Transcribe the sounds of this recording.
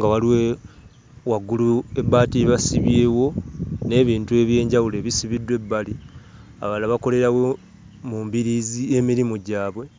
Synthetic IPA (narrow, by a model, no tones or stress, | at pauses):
ŋɡawaliwe | waɡːulue̞baːtiβasiβje̞ːwo̞ne̞ːβiːntue̞βje̞ːɲɟawule̞ːβisiβidːwe̞bːalia̰βalaβako̞le̞ɾawo | mumbiɾiːzie̞miɾimuɟaːβwe̞